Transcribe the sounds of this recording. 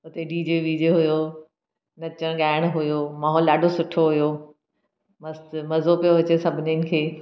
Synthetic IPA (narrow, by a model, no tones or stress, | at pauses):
ʊt̪eɖiːd͡ʑeʋiːd͡ʑeɦʊjo | nɐt͡ɕəɽ̃ɠaːɪɽ̃ɦʊjoːmaːɦɔːlɗaːɖʱosʊʈʰoɦʊjo | mɐsmɐzopijoʋɐt͡ɕesɐbʱɪniənɪ̆kʰeː